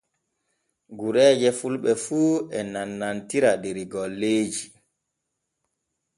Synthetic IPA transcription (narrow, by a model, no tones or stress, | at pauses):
ɡuɾɛːd͡ʒɛfulɓɛfuːɛnanːantiɾadeɾiɡɔlːeːd͡ʒi